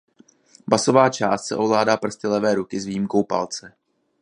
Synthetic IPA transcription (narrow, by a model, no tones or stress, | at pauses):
baso̞vaːt͡ʃaːst̪sɛ̰ʔo̞vlaːdaːpr̩st̪ɪlɛvɛːɾukɪzviːjimko̞wpa̰lt͡sɛ